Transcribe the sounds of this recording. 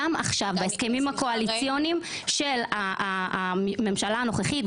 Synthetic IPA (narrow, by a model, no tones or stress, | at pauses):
ama̰χʃavbaeske̞mimhako̞alit͡sjo̞nim | ʃe̞la | me̞mʃalaːno̞χeχit̚